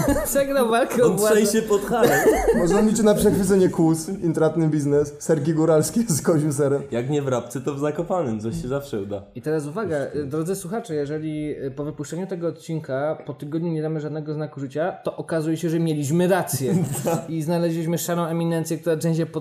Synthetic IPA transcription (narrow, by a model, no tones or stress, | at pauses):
sɛɡnawvalkɛɔbwʂaɛjɕɛpɔt̪xaɛɔnamʲit͡ɕnapʂɛxfɘɨt̪sɛɲɛkusint̪ɾat̪nɘbʲiznɛssɛɾkʲiɡuɾalskʲeskɔʑims̬ɛɾɛmjakɲɛvɾap̚t̪sɛt̪ɔvzakɔpanɛmt̪sɔɕɛzafʂɛud̪ait̪ɛɾas̬uvaɡad̪ɾɔd̪zɘswuxat͡ʂɛjɛʐɛlʲipɔvɘpuʂt͡ʂɛɲut̪ɛɡɔːt̪̚t͡ɕinkapɔt̪ɘɡɔd̪ɲuɲɛd̪amɘʐad̪nɛɡɔznakuʐɘt͡ɕat̪ɔʔɔkazujɛɕɛʐɛmʲjelʲiɕmɘɾat̪sʲjɛiznalɛʑlʲiɕmɘʂaɾɔ̃w̃ɛmʲinɛnt̪sʲjɛkt̪uɾatɛ̃d͡ʑɛpɔ